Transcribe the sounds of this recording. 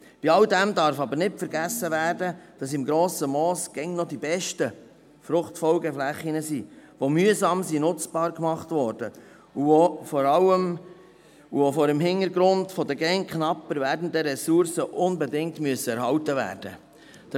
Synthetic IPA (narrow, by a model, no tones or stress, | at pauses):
b̥iɑldæmdɑɾfɑbəɾnɪtfəɾɡæsːəʋæːɾdəd̥ɑs̬ɪmɡɾoːsəmɔːsɡ̥ɛŋnɔdibɛʃtə | fɾʊχtfɔlɡəflæχinəsiʋomyəzɑːmsinʊt͡sb̥ɑːɾkmɑχtvɔːɾd̥ə | uofɔɾɑləm | uofɔɾəmɦɪnəɾɡɾʊndfɔdəɡɛŋkχnɑpːəɾvæɾdən̩d̪əɾɛsuɾsəʔʊnbɛdɪŋtmyəsəɛɾhɑwtəvæ̰ːɾd̥ə | d̥